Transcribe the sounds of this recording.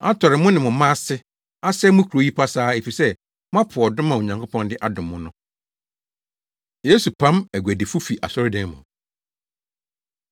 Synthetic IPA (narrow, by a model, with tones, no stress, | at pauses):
a˦tʰɔ˨ɾɪ˨mʊ̃˦nɪ̃˨mʊ̃˨mã˦sɪ˦ | a˦sɛ˦mʊ̃˦kʰu˨ɾo˨˦ji˦pʰa˦saː˦e˨fi˨sɛ˦ | mʊ̃˦ã˦pʰʊ˨ɔ˨dʊ̃˦mã˨o˨ɲã˨ŋkʰʊ˦pʰɔ̃˦ndɪ˦ʔa˦dʊ̃˨mːʊ̃˦nʊ̃˦ | je˦su˨pʰã˦mæ˨ɡʷæ˨dɪ˨fu˦fi˨ʔa̰˨sɔ˦ɾɪ˦dɛ̃˦n˦mʊ̰̃˨